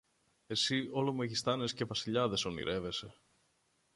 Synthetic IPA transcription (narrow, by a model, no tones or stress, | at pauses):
e̞sio̞lomeʝist̪ɐne̞sce̞vɐsiʎɐðe̞so̞nḭɾʔe̞ve̞se̞